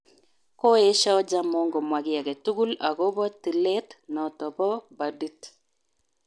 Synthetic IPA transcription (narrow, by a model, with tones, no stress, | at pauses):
ko˦e˦ʃa˦ɔ˦d͡ʒa˦mɔ˦ŋɡo˨mwa˨ɡɪ˦a˨ɡɛ˨tu˦ɡu˦la˨ɣo˦βɔ˦ti˨lɛ˦tnɔ˨tɔ˨bɔ˦ba˨di˦t